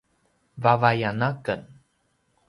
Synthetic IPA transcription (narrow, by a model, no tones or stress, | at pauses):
vavajanakən